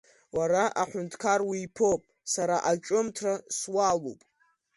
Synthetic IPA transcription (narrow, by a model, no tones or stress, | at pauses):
waɾaʔaħʷʊntʰkʰarwiːpʰopʼ | saɾaʔat͡ʃʼʊmtʰraswalo̰pʼ